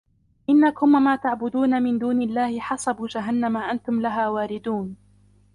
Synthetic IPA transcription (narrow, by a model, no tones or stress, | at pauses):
ʔɪnːakʊmmaːt̪aʕbʊd̪uːnamɪnd̪uːnɪlːaːhɪħɑsˤɑbuːd͡ʒaɦanːamaʔant̪ʊmlaɦaːwaːɾɪd̪uːn